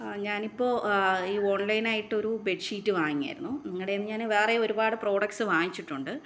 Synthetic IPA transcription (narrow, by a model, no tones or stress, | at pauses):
ɲaːnipːo̞ːiːo̞ːɳlɐjnaːjiʈːɨo̞ɾube̞ʈʂiːtːɨʋaːŋiːija̰ːjiɾunːuniŋːɐɽejmɲaːnʋeːreo̞ɾubaːɽɨpro̞ːɽɐksɨʋaːɲit͡ɕːiʈːuɳɖɨ